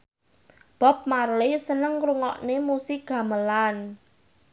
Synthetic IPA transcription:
b̥ɔ̤p̚marlesənəŋruŋɔʔnemusɪɡ̥ä̤məlan

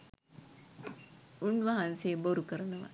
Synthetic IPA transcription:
unʋaɦanseːboɾukəɾənəʋa̰

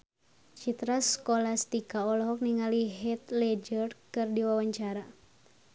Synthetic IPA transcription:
t͡ʃit̪ɾaskolast̪ikaɔlɔɦɔk̚niŋaliɦɛt̪lɛd͡ʒərkɨrdiwawaɲt͡ʃaɾa

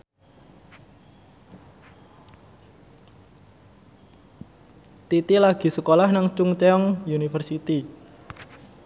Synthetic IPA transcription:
t̪it̪ilaɡ̥i̤səkolahnaŋt͡ʃʊŋt͡ʃeɔŋjunifərsit̪i

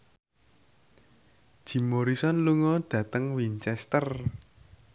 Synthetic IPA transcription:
d̥ʒ̥i̤moɾisɔnluŋɔɖ̥ä̤t̪əŋwint͡ʃɛst̪ər

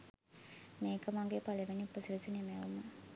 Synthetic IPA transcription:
meːkɐmaŋɡepaleʋeniupːəsiɾisinemeʋumə

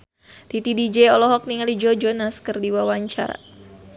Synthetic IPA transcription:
t̪it̪idid͡ʒɛɔlɔɦɔk̚niŋalid͡ʒɔd͡ʒɔnaskɨrdiwawaɲt͡ʃa̰ɾa̰

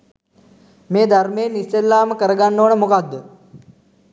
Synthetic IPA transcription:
meːd̪ʱɐɾmeːnːiselːaːmɐkəɾɐɡanːoːɳəmukad̪o

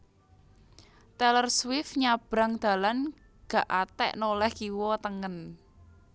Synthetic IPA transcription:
t̪ɛlərswɪfɲab̥ɾaŋd̪̥ä̤lan | ɡ̥ä̤ʔat̪ɛ̰ʔnolɛhkiwɔt̪əŋən

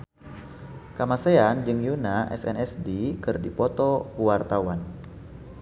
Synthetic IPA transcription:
kamaseand͡ʒɨŋjunaʔɛ̰sɛ̰nɛsdikɨrdipɔt̪ɔkuwart̪awan

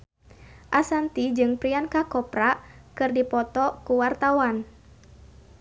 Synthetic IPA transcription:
ʔasant̪id͡ʒɨŋpɾiankakɔpɾakɨrdipɔt̪ɔkuwart̪awan

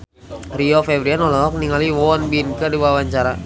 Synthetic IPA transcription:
riɔfɛvɾianɔlɔɔk̚niŋaliwɔnbinkədiwawaɲt͡ʃaɾa

